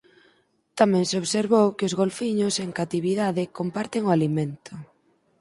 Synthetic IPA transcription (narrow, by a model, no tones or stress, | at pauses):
t̪amɛ̃ŋseoβseɾβowkɪʊzɣolfiɲʊseŋkat̪iβ̞iðaðɪkompaɾt̪ɪŋoalimẽnt̪ʊ